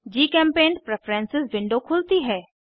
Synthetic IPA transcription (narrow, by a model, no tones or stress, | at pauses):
d͡ʒiːkɛ̃ːmpeːnpɾɛpʰɾɛ̃ːnsɪsʋɪ̃ɳɖokʰʊlt̪iɦɛː